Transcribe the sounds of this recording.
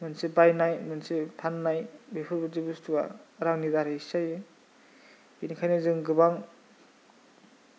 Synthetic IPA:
mɯnsebajnajmɯnsepʰanːajbepʰɯɾbɯzibustuɡa̰ɾaŋnidaɾesajɯ | inikʰajnɯzɯŋɡɯbaŋ

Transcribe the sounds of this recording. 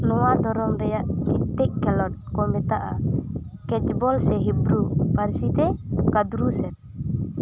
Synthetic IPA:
nɔwad̪ɔɾɔmɾɛjanitɛkːɛlɔt̚komit̪aʔa̰ | kɛd͡ʒbɔlsɛɦibɾupaɾsit̪ɛkad̪ɾusɛt̚

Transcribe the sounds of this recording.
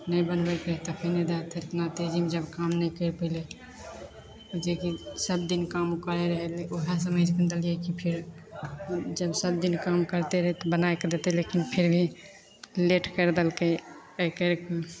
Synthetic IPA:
nɛjbənbɛkɾəɦɛt̪ɔpʰiɾned̪at̪ʰeɾt̪nat̪ed͡ʒimed͡ʒəbkamnɛkəɾpəɪle | ɔd͡ʒekisəbd̪inkamkəɾeɾəɦɛleoɦes̬əməjd͡ʒkənd̪əlijekipʰiɾ | d͡ʒəbsəb̚d̪inkamkəɾt̪eɾəɦɛt̪ɔbənaekd̪et̪elekinpʰiɾbʱi | leʈkəɾd̪elke | əkəɾke

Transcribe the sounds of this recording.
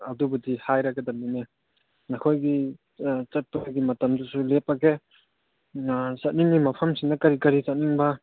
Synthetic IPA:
ɐdubudihajɾaɡɐdɐmine | nakʰojɡi | t͡ʃɐt̚paɡimɐtɐmdusulepːɐke | sɐt̚niŋːimɐpʰɐmsinɐkɐɾikɐɾizɐt̚niŋbɐ

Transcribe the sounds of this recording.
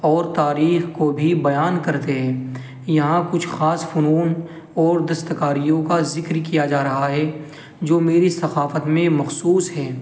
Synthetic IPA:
ɔːɾt̪aːɾiːxkobʱibɐjaːnkɐɾt̪eɦɛ̃ː | jɐɦãkʊt͡ʃʰxaːsfʊnuːn | ɔːɾd̪ɐst̪əkaːɾijõkazɪkɾkijad͡ʒaːɾɐɦaɦɛ | d͡ʒoːmeːɾisɐxaːfət̪mẽmɐxsuːsɦɛː

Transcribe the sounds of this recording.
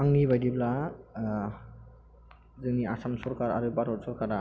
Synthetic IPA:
aŋnibajdibla | zɯniasamsɔɾkaɾa̰ɾɯbaɾɔt̚sɔɾkaɾa

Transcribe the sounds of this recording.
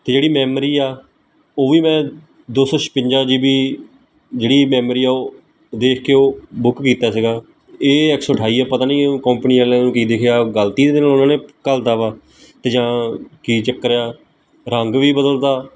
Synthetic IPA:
t̪eːd͡ʒeːɽiːmɛːmɾiːaː | oːʋiːmɛ̃ː | d̪oːsɔːʃpɪ̃ɲd͡ʒaːd͡ʒiːbiː | d͡ʒeːɽiːmɛːmɾiːaːoː | d̪eːkʰkeːoːbʊkːiːt̪aːsiɡaː | eːɛksɔːʈʰaːiːaːpət̪aːnĩːkɔ̃ːmpniːɛlãːũːkiːd̪eːkʰeaːɡəlt̪iːd̪eːd̪ɪnaːlʊnãːneːkəld̪aːʋaː | t̪eːd͡ʒãːkiːt͡ʃəkːəɾejaː | ɾəŋɡʋiːbəd̪əld̪aː

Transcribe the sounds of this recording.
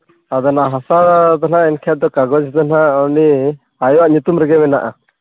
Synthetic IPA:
ad̪ɔnaʔɦasat̪anaɛnkʰɛt̪̚d̪ɔkaɡɔd͡ʒt̪anaɔni | ajɔwaʔɲut̪umɾɛɡɛmɛnaʔa̰

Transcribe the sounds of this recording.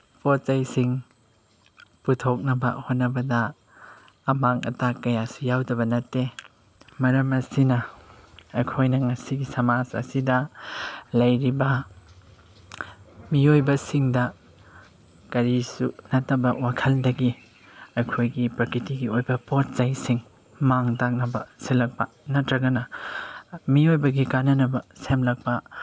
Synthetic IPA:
pot̚t͡ʃajsiŋ | putʰok̚nɐbɐ̰hot̚nɐbɐdɐː | maŋɐ̰takɐjasujawdɐβɐnɐtːe | mɐɾɐmɐsinɐ | ɐkʰojnɐŋɐsiɡisɐmasɐ̰sidɐ | lɐjɾibɐ | miojbɐsiŋdɐ | kɐɾisunɐtɐbɐwakʰɐldɐɡi | ɐkʰojɡipɾɐkɾitiɡiojbɐpot̚zajsiŋ | maŋtak̚nɐbɐselɐk̚pɐ̰ | nɐtɾɐɡɐnɐ | miojbɐɡikanɐnɐbɐsemlɐk̚pɐ

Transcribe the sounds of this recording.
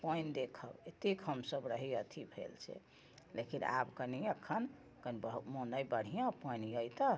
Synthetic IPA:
pənd̪ekʰəbet̪ikɦəmsəbɾəɦiət̪ʰibʱḛlt͡ʃʰɛ̰ | lekina̰bkəniəkʰːən | kənimonəjbəɽ̤ijãpəjnjəjt̪ə

